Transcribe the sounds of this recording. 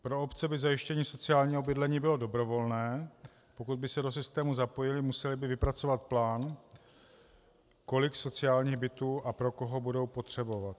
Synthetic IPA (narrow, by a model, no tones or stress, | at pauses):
pɾo̞opt͡sɛbɪzajɪʃcɛɲiːso̞t͡sɪaːlɲiːɦobɪdlɛɲiːbɪlo̞do̞bɾo̞vo̞lnɛː | po̞kud̪̚bɪsɛdos̬ɪst̪ɛːmuzapo̞jɪlɪmusɛlɪbɪvɪpɾat͡so̞vat̪̚plaːn | ko̞lɪkso̞t͡sɪaːlɲiːɣbɪt̪uːʔapɾo̞ko̞ɦo̞budo̞wpo̞t̪r̝̥ɛbo̞vat̪̚